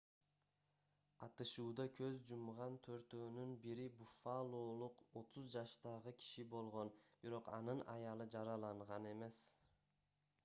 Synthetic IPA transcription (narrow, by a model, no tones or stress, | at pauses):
ɑt̪ɯʃuːd̪ɑkʰø̞zd͡ʒumʁɑnt̪ʰø̞ɾt̪øːnynbiɾibufalˠoːlˠuqo̞t̪ʰuzd͡ʒɑʃt̪ɑʁɯkʲʰi̥ʃibo̞lˠʁo̞nb̥iɾo̞qɑ̰nɯnɑ̰jɑlˠɯd͡ʒɑɾɑlˠɑɴʁɑne̞me̞s